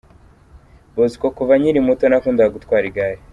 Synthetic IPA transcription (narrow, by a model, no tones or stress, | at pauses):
bozi̥kokuvaɲiɾimutonakuːndaaɡutkwaːɾiɡaːje